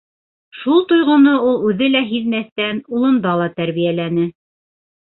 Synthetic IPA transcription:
ʃulˠt̪ŏjʁŏnoulˠʉðɘlæɦiðmæθt̪ænulˠɤ̆nd̪ɑlˠɑt̪æɾβijælænɘ

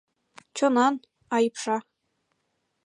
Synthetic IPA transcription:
t͡ɕɤ̆nɑn | ɑjpʂɑ

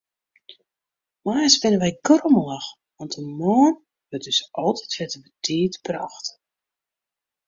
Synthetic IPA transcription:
maːsbɪnəʋɛjɡroməlax | ʋɔntəmoːn | ʋøt̚døsʔɔlˠtʰɛtfɛtəbətʰiːtbrɔxt

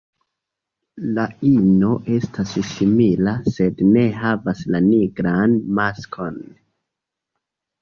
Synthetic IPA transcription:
laino̞ʔe̞stassimilase̞dne̞ɦavaslaniɡɾanmaskʰo̞n

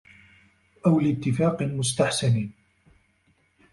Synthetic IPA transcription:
ʔawlɪt̪ːɪfaːqmʊs̬t̪aħsani

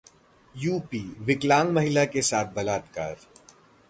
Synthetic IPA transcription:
juːpiːʋɪklãːŋɡmɐɦɪlakesaːt̪̚ʰbɐlaːt̪ka̰ːɾ

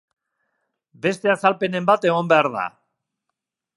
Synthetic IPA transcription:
be̞st̪e̞asalpe̞ne̞mbat̪e̞ɣ̞o̞mbe̞aɾða̰

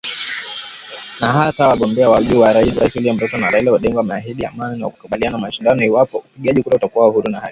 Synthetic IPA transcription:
naɦatawaɠɔmbɛawaʄuwaɾailɾaisuliam̩tɔtɔnaɾailɛaɗɛŋɡɔwamaaɦiɗia̰maninia̰ku̥kaɓilianamaʃindanɔiwapɔupiɠiaʄikuɾautakuwauhuɾunahali

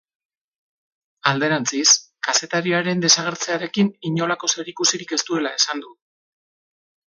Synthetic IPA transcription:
ald̪e̞ɾant͡sis | kase̞t̪aɾiaɾe̞nd̪e̞saɣ̞e̞ɾt͡se̞aɾe̞kiniɲo̞lako̞se̞ɾikusiɾike̞st̪ue̞lae̞sand̪u

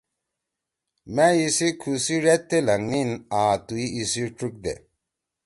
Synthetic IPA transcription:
mɛjisikʰusiɾɛt̪ːelaŋninaːt̪uiisiʈ͡ʂɾuk̚d̪ḛ

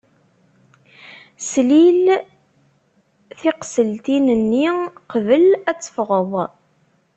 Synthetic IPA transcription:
slil | θiqsəlt̪inənːiqvəlæt͡sːə̥fʁəðˤ

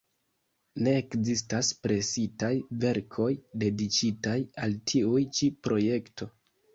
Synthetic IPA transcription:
ne̞ːkzistaspɾe̞sitajve̞ɾkʰo̞jde̞dikitajaltʰiujt͡ʃipɾo̞je̞kto̞

